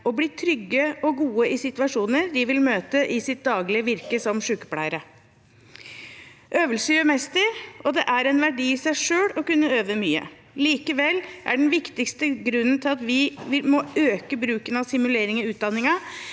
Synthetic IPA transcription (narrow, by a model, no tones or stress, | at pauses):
ɔbliːt̪ʰɾʏɡːəɔɡuːəʔɪsɪt̪ʋɑʂuːnəɾd̪ɪʋɪlmøːt̪əʔɪsɪt̪̚d̪ɑːɡlɪəʋɪɾkəsɔmʂʉːkə̥plæ̰ɪəɾə | ʔøːʋəlsəjœmɛst̪əɾɔd̪ɛʔæɾɛnʋæɖiːɪsæɪʂøːɽɔkʉnːəøːʋəmyːə̰ | liːkəʋɛlːʔæ̰ɖɛnʋɪkt̪ɪkst̪əɡɾʉnːn̩t̪ʰɪlɑt̪ʋɪʋɪlmɔøːkəbɾʉːkənɑʋsɪmʉleːɾɪŋɔʉːt̪̚d̪ɑnːɪŋɑ